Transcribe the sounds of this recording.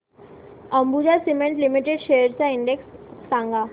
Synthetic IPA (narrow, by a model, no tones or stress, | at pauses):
ə̃mbud͡ʑasimẽɳʈlimiʈeɖʃejəɾt͡ɕaɪ̃ɳɖeksːãːŋɡaː